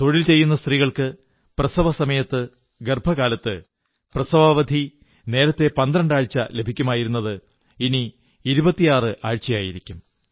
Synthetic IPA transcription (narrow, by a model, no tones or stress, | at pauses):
t̪o̞ɻilt͡ɕe̞jːunːɐst̪riːɣɐɭkɨ | prɐsɐʋɐsɐmɐjɐt̪ːɨ | ɡerbʱɐɣaːlɐt̪ːɨ | prɐsɐʋaːʋɐd̪ʱi | ne̞ːɾɐt̪ːe̞pɐnd̪ɾɐɳɖaːɻt͡ɕːɐ̰le̞bʱikʲːumaːjiɾunːɐðɨ | iniː | ɾubɐt̪ːijaːrɨʔaːɻt͡ɕːɐjaːjiɾikʲːum